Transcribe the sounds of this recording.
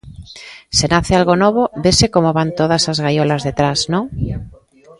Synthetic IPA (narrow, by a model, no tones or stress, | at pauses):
senaθealɣonoβoβesekomoβant̪oð̞asazɣajolazðet̪ɾaznõŋ